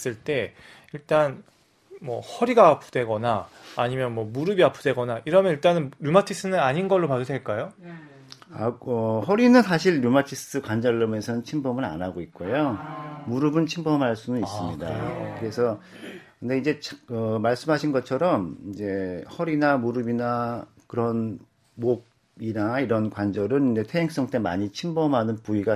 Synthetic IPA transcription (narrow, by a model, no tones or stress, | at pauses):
s͈ɯɭt͈e̞ | iɭt͈an | mwʌ̰hʌɾiɡaːpʰu̥d̥we̞ɡʌna̰ːɲimjʌnmwʌmuɾɯbiapʰudwe̞ɡʌnaiɾʌmjʌniɭt͈anɯnɾumatʰis͈ʰɯnɯnaɲinɡʌɭːopadodwe̞ɭk͈ajo | aʌhʌɾinɯnsʰaɕʰiɭːumatʰist͈ʰɯkwand͡ʑʌɭːʌme̞sʰʌnɯnt͡ɕʰimbʰʌmɯɾa̰naɡoik̚k͈ojomuɾɯbɯnt͡ɕʰimbʌmɦaɭs͈unɯnis͈ɯmɲɲida̰kɯɾe̞sʰʌ | kɯndeind͡ʑe̞t͡ɕʰʌmaɭs͈ɯmɦaɕʰinɡʌt͡ɕʰʌɾʌmid͡ʑe̞hʌɾinamuɾɯbina | kɯɾʌn | moɡ̚ | inaiɾʌnkwand͡ʑʌɾɯnid͡ʑe̞tʰe̞ɦeŋs͈ʌŋt͈e̞ma̰ɲit͡ɕʰimbʌmɦanɯnpuiɡa